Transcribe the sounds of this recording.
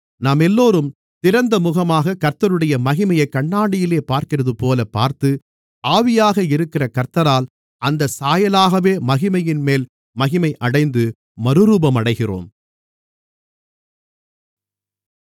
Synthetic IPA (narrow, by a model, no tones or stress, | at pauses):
naːmɛlːoːɾɯm | t̪ɪɾɐnd̪ɐmʊɣɐmaːɣɐkɐɾt̪ɐɾɯɽɐjɐmɐɣɪmɐjɐɪkːɐɳːaːɽɪjɪleːpaːɾkɪrɐðɯpoːlɐpːaːɾt̪ɯ | ʔaːʋɪjaːɣɐɪɾɯkːɪrɐkɐɾt̪ɐɾaːl | ɐnd̪ɐsaːjɐlaːɣɐʋeːmɐɣɪmɐjɪnmeːl | mɐɣɪmɐɪʔɐɽɐɪnd̪ɯ | mɐɾɯɾuːbɐmɐɽɐɪɣɪro̰ːm